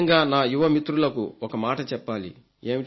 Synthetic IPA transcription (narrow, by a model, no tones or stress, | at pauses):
ŋɡaːnaːjuʋɐmit̪ɾulɐkṵɔkɐmaːʈɐt͡ʃɛpːaːlḭ | e̞ːmi